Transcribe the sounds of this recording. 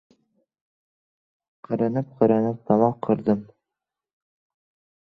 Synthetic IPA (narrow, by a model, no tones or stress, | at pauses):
qʰɑɾɤnɤp̚qʰɑɾɑnɤp̚t̪ʰɑmɑqʰːɤ̆ɾd̪ɤm